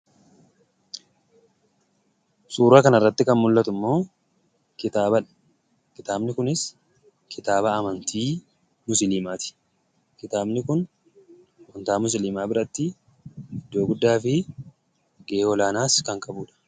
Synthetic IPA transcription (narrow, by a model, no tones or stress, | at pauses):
suːɾaːkɐnɐrːɐt̪ːɪkɐnmʊlːɐt̪ʊmːo̞ː | kɪt̪aːbɐᶑɐ̥ | kɪt̪aːbnɪkʊnɪs | kɪt̪aːbɐːmɐnt̪ʰiː | mʊsɪliːmaːt̪ɪ̥ | kɪt̪aːbnɪkʊn | wɐnt̪aːmʊs̬ɪliːmaːbɪɾɐt̪ːɪ | ɪd̪ːo̞ːɡʊd̪ːaːfɪ | ɡeeːɔlaːnaːskɐŋkʼɐbuːᶑɐ̥